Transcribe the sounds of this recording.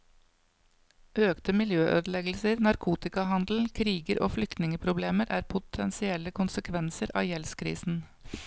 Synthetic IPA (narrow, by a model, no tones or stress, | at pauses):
ʔøːkt̪əmɪljøːʔøːd̪əl̩ɛɡl̩səɾnɑɾkʰuːt̪ɪkɑhɑnd̪l̩kʰɾiːɡəɾʔo̰ːflʏkt̪nɪŋəpʰɾʊbleːməɾʔæ̰ːɾpʰʊt̪ʰɛnsɪɛləkʰʊnsəkʰʋɛnsəɾʔɑ̰ːjɛlskʰɾḭːsn̩